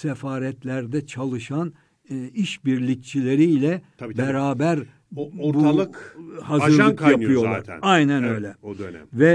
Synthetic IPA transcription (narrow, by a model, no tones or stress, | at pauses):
sɛfaːɾɛt̪lʲæɾd̪ɛt͡ʃʰalˠɯʃan | iʃbiɾlʲicʲt͡ʃʰilʲe̞ɾilʲɛ | bɛɾaːbæɾ | ɾbuaɯkhazɯɾlˠkjaɯjolˠaɾajnænø̞jlʲɛoønɛ̰vɛ